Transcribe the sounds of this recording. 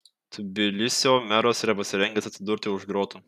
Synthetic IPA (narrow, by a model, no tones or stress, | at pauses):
t̪ʰʊbʲɪlʲɪsʲoːmʲæɾoːsiːɾɐpɐsʲɪɾʲɛŋʲɡʲɛsɐt̪ʲsʲɪd̪ʊɾʲt̪ʲɪʊʒɡɾoːt̪u